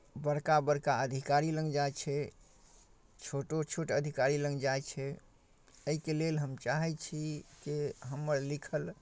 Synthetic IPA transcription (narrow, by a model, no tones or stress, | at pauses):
bəɽkabəɽkaəd̪ʱikaɾilə̃ŋɡd͡ʒajt͡ʃʰɛ | t͡ʃʰoʈot͡ʃʰoʈəd̪ʱikaɾilə̃ŋɡd͡ʒajt͡ʃʰɛ | əikelelɦəmt͡ʃaɦɛt͡ʃʰikeɦəmːəɾlikʰəl